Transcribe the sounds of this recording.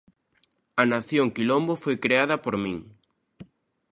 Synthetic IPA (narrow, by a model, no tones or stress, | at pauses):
ɐnaθjoŋkilombofojkɾeaðɐpoɾmĩŋ